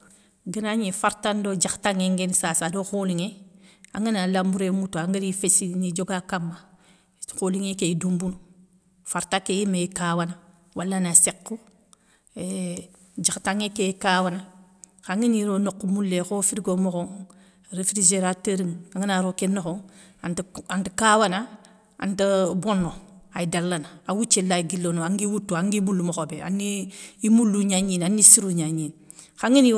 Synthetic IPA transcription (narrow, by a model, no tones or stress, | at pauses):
ɡinaɲifaɾtandod͡ʒaxtaŋeŋɡensaːsadoxoliŋeaŋinalambuɾemutoaŋɡiɾifesinid͡ʒoɡakamːa | xoliŋekeidumbunu | faɾtakejimejikawana | wʔalːanasekːu | d͡ʒaxtaŋekekaːwana | xaŋiniɾonokːumulːexofiɾiɡomoxo | ɾefɾid͡ʒeɾatəɾiŋaŋinaɾokenːoxoantantukawana | a̰ntabonːoajidalːanaawut͡ʃːelaɡilːonoaŋɡiwutːuaŋɡimulːumoxobea̰nːiimulːuɲaɲiːnanːisiɾuɲaɲin | xaŋini